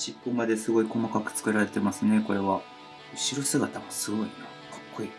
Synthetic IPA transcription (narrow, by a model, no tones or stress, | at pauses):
ɕipːomad̪e̞sɨɡo̞iko̞makakɯ̟̥t͡sɨ̥kɯ̟ɾaɾe̞t̪e̞masɨne̞ko̞ɾe̞βa | ɯ̟ɕiɾo̞sɨɡat̪amo̞sɨɡo̞ina | kʰḁkːo̞i